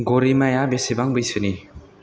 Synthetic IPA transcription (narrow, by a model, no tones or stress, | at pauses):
ɡoɾimajabesebaŋbɯjsɯni